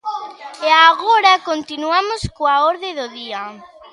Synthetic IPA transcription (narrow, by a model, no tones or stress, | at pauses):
eaɣoɾakont̪inuamʊskoaoɾðeðʊðia